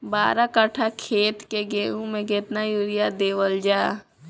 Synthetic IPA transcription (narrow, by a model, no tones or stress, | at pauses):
baːɾakəʈʰakʰeːt̪keɡeːũmẽɡet̪najuɾɪjad̪eːʋəld͡ʒaː